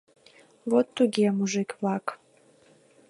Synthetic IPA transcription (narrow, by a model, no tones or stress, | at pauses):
βot̪ːuɡʲemuʒɨkβlɑk